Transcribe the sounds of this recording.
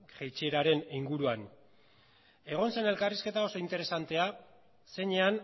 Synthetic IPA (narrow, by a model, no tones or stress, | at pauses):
ʝejt͡ʃieɾaɾe̞niŋɡuɾuan | e̞ɣ̞o̞nse̞ne̞lkariske̞t̪ao̞so̞int̪e̞ɾe̞sant̪e̞a | se̞ɲean